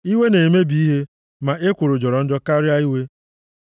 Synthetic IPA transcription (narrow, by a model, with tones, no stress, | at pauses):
i˦we˦ne˨me˦bi˨˦i˦ɦe˦ | ma˨ʔe˦kʷʊ˨ɾʊ˨d͡ʒɔ˨ɾɔ˨n̩˦d͡ʒɔ˦ka˦ɾja˦i˦we˦